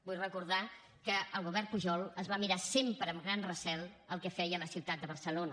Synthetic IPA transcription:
bujrəkuɾð̞a | kəəlˠɣuβɛrpuʒɔlˠəzβamiɾasempɾəːmɡɾanrəsɛlˠəlˠkɛfɛjələsiwt̪at̪̚d̪əβəɾsəlonə

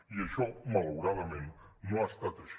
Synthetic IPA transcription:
ieʃomalowɾaβemẽnnoast̪at̪eʃ

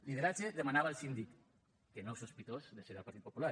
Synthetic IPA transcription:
liðeɾat͡ʃeðemanaβaəlˠsind̪ik | kenɔwsuspit̪ozðeseðalˠpaɾt̪it̪̚popula

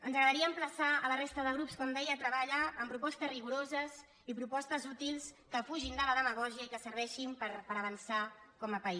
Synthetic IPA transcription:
ənzəɣɾəðəɾiəːmpləsaələrest̪əðəɣ̞ɾupskɔmd̪ɛjət̪ɾəβaʎəːmpɾupɔst̪əzriɣuɾozəz | ipɾupɔst̪əzut̪ilˠs | kəfuʒind̪ələðəməɣ̞ɔʒiəikəsəɾβɛʃimpəɾpəɾəβ̞ənsakɔməpəi

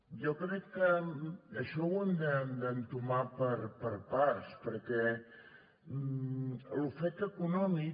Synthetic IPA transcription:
jɔkɾɛkːəəʃɔwənd̪ənd̪ənt̪umapəɾpəɾpaspəɾkɛ | lufɛk̚t̪əkunɔmi

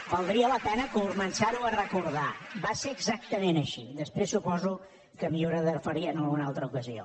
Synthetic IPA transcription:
bəlˠd̪ɾiələpɛnəkəuzmənʲsaɾuərəkuɾðabaseəɡzak̚t̪əmẽnəʃid̪əspɾesːupɔzu | kəmioɾəðəɾfəɾiənəlɣunalˠt̪ɾəukəzio̰

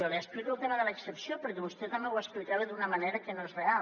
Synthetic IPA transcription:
oleəsplikulˠt̪eməðələːksəpsiopəɾkɛβust̪ɛt̪ɐmbewəsplikaβeðunəmaneɾəkənoezrea

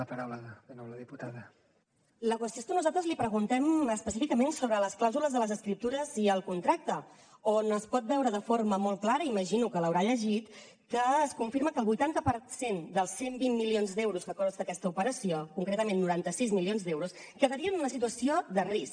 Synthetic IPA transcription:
əpaɾawləððənowləðiput̪aðə | ləkwəst̪joest̪ənuzalt̪ɾəzlipɾəɣ̞unt̪ɛməspəsifikəmensoβɾələsklawzuləzðələzəskɾip̚t̪uɾəziəlˠkunt̪ɾak̚t̪ə | onəspɔt̪̚bɛwɾəðəforməmolˠklaɾəiməʒinukələwɾaʎəʒit̪ | kəːskuɱfiɾməkəlˠβujt̪ant̪əpəɾsend̪əlˠsembimːilionzd̪ɛwɾuskəkɔzd̪əkɛst̪əupəɾəsiokuŋkɾet̪əmenːuɾant̪əsizmilionzd̪ɛwɾuskəðəɾiənunəsit̪uəsioðərisk

